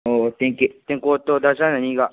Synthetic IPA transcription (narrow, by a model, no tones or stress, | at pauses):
ot̪ẽŋkit̪ẽŋkot̪od̪asanãɲiɡa